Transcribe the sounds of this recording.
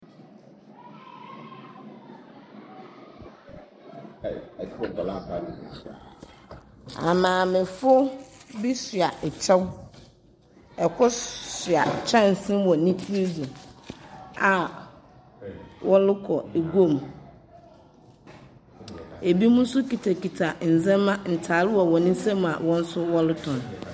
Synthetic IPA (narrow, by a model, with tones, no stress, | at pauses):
la˦a˨ | a̰˨mãː˨mɪ̃˨fʊ˦bi˦sɥa˨ʔɛ˨t͡ɕʰa˦w | ɛ˨kʰʊ˦sɥa˨t͡ɕʰã˦n̩˨sɪ̃˦mwɔ̃˨˦nĩ˦tʰi˦d͡zu˨ | a˨ | wʔɔ˦lʊ˦kʰɔ˨e˨ɡo˦˨m | e˨bi˦mũ˦n̩˦sʊ˦ki˨tʰa˨ki˨tʰa˨n̩˨zɛ̃˦mã˦n̩˨tʰa˨lɪ˦wɔ˨wɔ˨nɪ̃˦sɛ̃˦m̃˨a̰˨wɔ̃˦n̩˦sʊ˦wɔ˦lʊ˦tʰɔ̃˨n